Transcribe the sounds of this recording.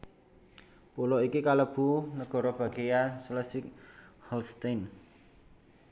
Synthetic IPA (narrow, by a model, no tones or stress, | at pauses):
pulɔikikaləb̥ṳnəɡ̥ɔ̤ɾɔb̥ä̤ɡ̥ejansləsik̚hɔlst̪an